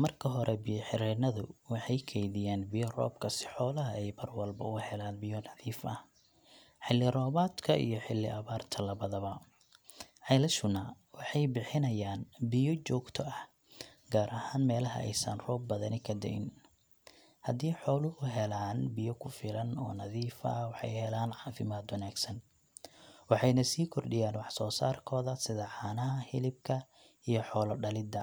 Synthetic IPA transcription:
mɐrkʰɐɦɔɾɛbɪjɔħɪɾɛnɐðʊ̰wɑħɑjkʰɛjðɪjaːnbɪjɔrɔ̰ːbkʰɐsɪ̥ħɔːlɐɦɐɛjmɐrwɐlbɐ̰ʊhɛlaːnbɪjɔnɑðiːfʔɐh | ħɪlːɪrɔːβaːt̪kʰɐʔḭjɔħɪlːɪʔɐβaːrt̪ʰɐlɐβɐðɐβɐ | ʕɑlɐʃʊnɐ | wɑħɑjbɪħɪnɐjaːnbɪjɔt͡ʃɔːɡt̪ʰɔɐh | ɡaːɾʔɐhaːnmɛːlɐɦɐ̰ʔɛ̰jsɐ̰nrɔːb̚bɐðɐnɪkʰɐd̪ɛ̰ɪ̰n | hɐd̪iːħɔːlʊhʊɦɛlaːnbɪjɔkʰʊfɪlɐnɔːnɐðiːfɐ̰wɑħɑ̰jhɛlaːnʕɑːfɪmaːd̪wɐnaːɡsɐn | wɑħɑjnɐsiːkʰɔrɖɪjaːnwɑħsɔːsaːrkʰɔːðɐsɪðɐħaːnɐɦɐhɪlɪb̚kʰɐ | ijɔħɔːlɔɖɐlɪd̪ɐ

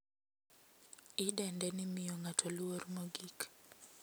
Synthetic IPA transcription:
ɪdɛndɛnɪmɪjoŋatʰɔlwoɾmoɡik

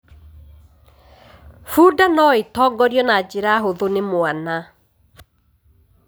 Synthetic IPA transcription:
fuːdanɔetɔːɡɔɾjɔnad͡ʒeɾaːɦoðonemoana

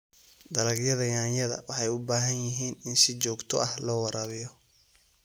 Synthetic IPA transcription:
d̪ɐlɐɡjɐðɐjaːnjɐðɐ̰wɑħɑjʊbaːɦɐnjɪɦiːnɪnsɪt͡ʃɔːɡt̪ʰɔʔɐhlɔːwɑɾʔɐβɪjɔ

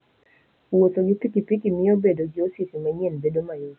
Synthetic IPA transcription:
wotoɡipikipikimɪobedoɡɪosisimɛɲenbedomajo

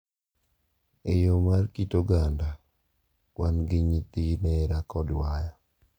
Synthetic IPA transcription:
ejomarkitoɡanda | wanɡɪɲit̪inɛɾakɔdwaja

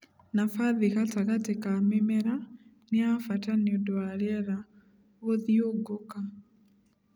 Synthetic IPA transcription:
nafaðikataɣatekamemɛɾa | neafataneodwaɾɛɾa | βoðjoɡoka

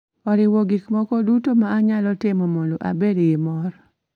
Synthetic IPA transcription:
ɔɾɪwoɡikmɔkɔdutomaːɲalɔtɪmɔmonloʔa̰bedɡɪmɔɾ

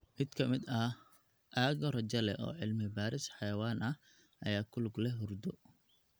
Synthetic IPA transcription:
ʔɪd̪kʰɐmɪd̪ɐ | ʔaːɣɔrɐt͡ʃɐlɛʔɔ̰ːʕɪlmɪbaːɾɪsħɑjɐwaːnʔɐh | ʔɐjaːkʰʊlɡlɛɦʊrd̪ɔ

